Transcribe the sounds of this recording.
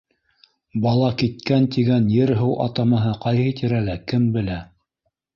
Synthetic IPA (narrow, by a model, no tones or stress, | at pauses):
bɑlˠɑkit̪kænt̪iɡænjɘɾɦɤwʔɑ̰t̪ɑmɤɦɤqɑjɦɤt̪iɾælækɘmbɘ̆læ